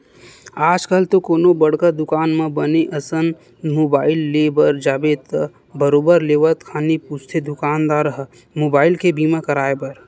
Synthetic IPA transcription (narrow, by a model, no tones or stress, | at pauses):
aːd͡ʒkəlt̪okoːnobəɽ̤kad̪ʊkaːnmãbəneʔəsən | moːbaːɪlːeːbəɾd͡ʒaːbeːt̪ | bəɾoːbəɾleːʋət̪kʰaːniput͡ʃʰt̪ʰed̪ʊkaːnd̪aːɾəɦə | moːbaːɪlkebiːmãkəɾaːebəɾ